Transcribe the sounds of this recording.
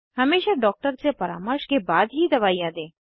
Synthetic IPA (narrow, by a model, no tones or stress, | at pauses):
həmeːʃaɖɔːk̚ʈəɾt͡ʃepɐɾa̰ːmɔɾʃkebaːd̪ɦid̪ɐʋaːijãd̪ẽː